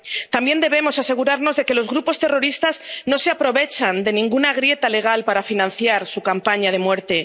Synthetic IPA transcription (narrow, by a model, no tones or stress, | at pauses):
t̪ambje̞nd̪e̞β̞e̞mo̞sase̞ɣ̞uɾaɾno̞zðe̞ke̞lo̞zɣɾupo̞st̪e̞ro̞ɾist̪azno̞se̞apɾo̞βe̞t͡ʃand̪e̞nĩŋɡunaɣ̞ɾje̞t̪ale̞ɣ̞alpaɾafinãn̟θjaɾsukampaɲað̞e̞mwe̞ɾt̪e̞